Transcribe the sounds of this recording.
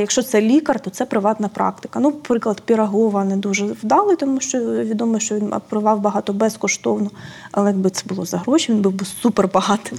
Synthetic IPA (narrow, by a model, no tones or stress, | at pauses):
jɐkʃt͡ʃɔt̪sɛlʲikɐrt̪ɔt̪sɛpɾɪʋɑt̪nɐpɾʔɑ̰kt̪ɪ̥kɐnupɾɪklˠɐd̪pʲiɾɐɦɔʋɐnɛd̪uʒɛwd̪ɑlˠɪt̪ɔmuʃt͡ʃɔʋʲid̪ɔmɔjʃt͡ʃɔʋʲinɐ̰pɾɔʋɑwbɐɦɑt̪ɔbɛskɔʃt̪ɔwnɔɐ̰lˠɛjɐbɪt̪ɛbʊlˠɔzɐɦɾɔʃʲiʋʲinbɪwbɪsuperbɐɦɑt̪ɪ̥m